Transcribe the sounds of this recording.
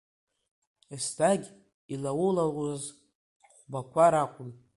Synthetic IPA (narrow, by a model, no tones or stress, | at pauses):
estʰaɡʲ | ilawʊlaluz | χʷbakʷʰaɾakʷʼʊn